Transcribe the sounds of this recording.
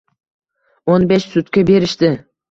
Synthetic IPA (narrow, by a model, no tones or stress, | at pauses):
onbeʃsʊt̪kʲabe̞ɾɪʃt̪ɪ